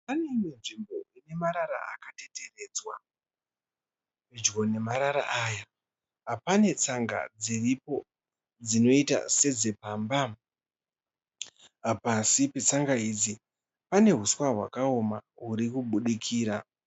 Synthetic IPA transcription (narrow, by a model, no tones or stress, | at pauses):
pane̞imenʐimbo̞ine̞maɾaɾa̰a̰kate̞tʰe̞re̞ːd͡zwa | ped͡ʒɡo̞ne̞maɾaɾa̰ʔaja | ɦapane̞t͡saŋɡa̰d͡ziripo̞ | d͡zino̞ita̰se̞d͡ze̞paːmba | ɦapasipe̞t͡saŋɡaid͡zi | pane̞ɦuswaɦwa̰kao̞maɦuɾikuɓuɗikʰiːɾa